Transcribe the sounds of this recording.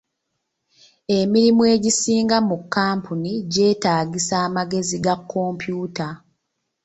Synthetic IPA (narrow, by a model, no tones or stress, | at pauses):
e̞miɾimwe̞ːɟisiːŋɡamukːaːmpuniɟe̞ːtaːɡisaːmaɡe̞ziɡakːo̞mpjuːta